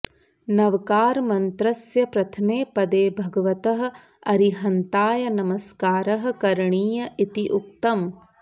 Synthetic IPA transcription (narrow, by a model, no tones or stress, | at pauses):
nɐʋkaːɾmɐnt̪ɾɐsjɐpɾɐt̪ʰɐmeːpɐd̪eːbʱɐɡɐʋɐt̪ɐɦɐ̆ | ɐɾiɦɐnt̪aːjɐnɐmɐskaːɾɐɦɐ̆kɐɾɳiːjɐʔit̪iʔuk̚t̪ɐm